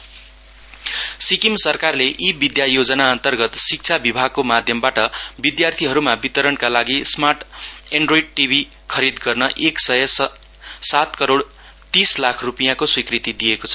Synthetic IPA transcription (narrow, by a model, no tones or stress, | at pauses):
sikimsʌrkarleʔibid̪jajod͡zʌnaʌnt̪ʌrɡʌt̪sik̚t͡sʰabibʱaɡ̚komad̪ʱjʌmbaʈʌbid̪jart̪ʰiɦʌɾumabit̪ʌɾʌnkalaɡismaʈeɳɖroiɖ̚ʈibʱi | kʰʌɾid̪ɡʌrnʌʔeksʌjʌs | sat̪kʌɾoɽ | t̪islakʰrupijakoswikrit̪id̪ijekot͡sʰʌ̥